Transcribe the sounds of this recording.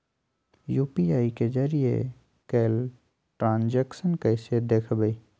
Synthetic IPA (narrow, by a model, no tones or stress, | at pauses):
juːpiaːiked͡ʒəɾijḛ | keːl | ʈɾãːnd͡ʒeksənkəɪsed̪eːkʰbəi